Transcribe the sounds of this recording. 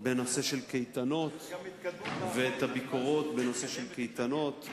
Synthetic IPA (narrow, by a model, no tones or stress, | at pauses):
be̞no̞se̞ʃelkejt̪ano̞t̪ | veet̪abikoʁo̞t̪beno̞se̞ʃelkejt̪ano̞t̪